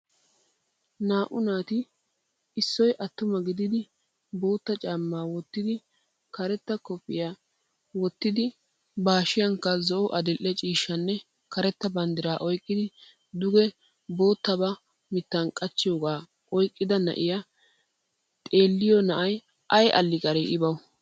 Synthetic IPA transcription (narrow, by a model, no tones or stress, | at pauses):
naːʔʊnaːt̪ɪ | ɪsːɔjʔɐt̪ːʊmɐɡɪd̪ɪd̪ɪ | bo̞ːt̪ːɐt͡ʃʼaːmːaːwɔt̪ːɪd̪ɪ | kɐɾɛt̪ːɐkɔpʼːɪja | wɔt̪ːɪd̪ɪ | baːʃɪjɐŋkːɐzɔʔɔʔɐd̪ɪlʔːɛt͡ʃʼiːʃːɐnːɛ | kɐɾɛt̪ːɐbɐnd̪ɪɾaːʔɔjkʼːɪd̪ɪ | d̪ʊɡɛ | bo̞ːt̪ːɐbɐ | mɪt̪ːɐnkʼɐt͡ʃːɪjoːɡaː | ʔɔjkʼːɪd̪ɐnɐ̰ʔɪja | t̪ʼe̞ːlːɪjɔnɐʔɐj | ʔɐjʔɐ̰lːɪkʼɐɾɛʔɪbɐw